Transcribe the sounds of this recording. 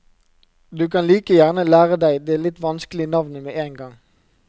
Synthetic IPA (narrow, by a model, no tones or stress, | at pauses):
d̪ʉːkʰɑnliːkəjæʁnəlæːʁəd̪æɪd̪eæːlɪt̪ʋɑnskəlɪənɑʋnəmeːʔeːnɡɑŋ